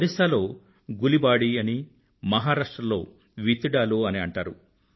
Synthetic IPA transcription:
ɐɾisaːlo̞ː | ɡulibaːɽiɐni | mɐɦaːɾaːʂʈɾɐmlo̞̰ː | ʋit̪iɽaːluːɐniɐɳʈaːɾṵ

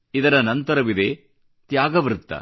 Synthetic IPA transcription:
id̪ɐɾɐnɐnt̪ɐɾɐʋid̪eː | t̪jaːɡɐʋɾɯt̪ːɐ̰

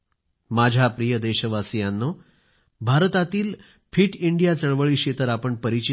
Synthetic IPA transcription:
mad͡ʑʱjapɾijəd̪eɕəʋasijanːo | bʱaɾt̪at̪iːl | fʰiːʈiɳɖijat͡səɭʋəɭiːɕet̪əɾapəɳpəɾit͡ɕi

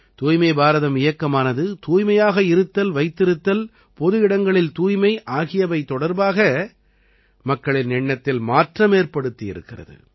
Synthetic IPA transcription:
t̪uːjmɐɪbaːɾɐðɐmɪjɐkːɐmaːnɐðɯt̪uːjmɐjaːɣɐɪɾɯt̪ːɐlʋɐɪt̪ːɪɾɯt̪ːɐl | pɔðɯɪɽɐŋɡɐɭɪlt̪uːjmɐɪʔaːɣɪjɐʋɐɪt̪ːɔɽɐɾbaːɣɐ | mɐkːɐɭɪnnɛɳːɐt̪ːɪlmaːʈrɐmeːɾpɐɽɯt̪ːɪjɪ̰ɾɯ̰kːɪrɐ̰ðɯ̰

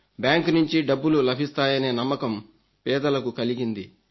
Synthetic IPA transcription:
bjaːŋknuɲt͡ʃiɖɐbːululɐbʱist̪aːjɐneːnɐmːɐkɐm | pɛːd̪ɐlɐkukɐliɡind̪i

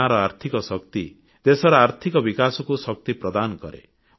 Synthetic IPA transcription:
aɾɔaɾt̪ʰikɔsɔkt̪i | d̪esɔɾɔaɾt̪ʰikɔbikasɔkusɔk̚t̪ipɾɔd̪anɔkɔ̰ɾḛ

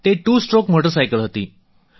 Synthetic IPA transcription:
t̪eʈuːsʈɾokmoʈəɾs̬ajkəlɦot̪ḭː

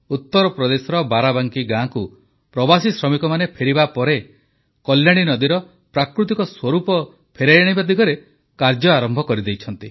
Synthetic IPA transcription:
ut̪ːɔɾɔpɾɔd̪esɔɾɔbaɾabaŋkiɡãku | pɾɔbasisɾɔmikɔmanepʰeɾibapɔɾe | kɔljaɽ̃inɔd̪iɾɔ | pɾakɾut̪ikɔswɔɾupɔ | pʰeɾejɽ̃ibad̪iɡɔɾe | kaɾd͡ʒɔaɾɔmbʱɔkɔɾid̪ejt͡ʃʰɔnt̪i

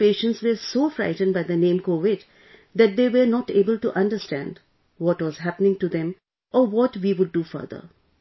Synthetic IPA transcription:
peːʃə̃nʈsʋəɾsoːfɾa̰ɪʈə̃nɖbaɪd̪ənẽːmkoːʋɪɖ | d̪æʈ̚d̪eːʋəɾnɔːʈeːbəlʈuʔʌ̃nɖəɾsʈæ̰̃nɖ | ʋɔʈʋɔzɦæpənɪ̃ŋʈud̪ɛ̃m | ʔɔːʋɔʈʋiːʋʊɖ̚ːuːfə̰ɾd̪ə̰ɾ

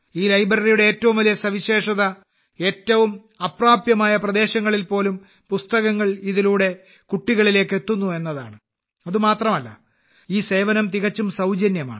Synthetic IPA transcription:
iːlɐjbrɐrijuɽe̞eːtːɐʋumʋɐlijɐsɐʋiɕe̞ːʂɐðɐ | e̞ːtːɐʋum | ɐpraːpjɐmaːjɐprɐd̪e̞ːɕɐŋːɐɭilpo̞ːlum | pust̪ɐɣɐŋːɐɭiðiluːɽe̞ | kuʈːiɣɐɭile̞ːkːe̞t̪ːunːue̞nːɐðaːɳɨ | ɐðumaːt̪rɐmɐlːɐ̰ | iːse̞ːʋɐnɐmt̪iɣɐt͡ɕːumsɐwd͡ʑɐnjɐma̰ːɳɨ

